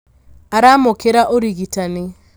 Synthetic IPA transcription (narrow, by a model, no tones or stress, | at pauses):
aɾamokeɾaʔoɾiɣitanɪ